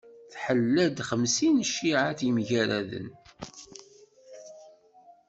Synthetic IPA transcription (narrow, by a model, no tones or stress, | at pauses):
θħəlːæd̪χəmsinʃːiʕaθimʝæɾæðə̰n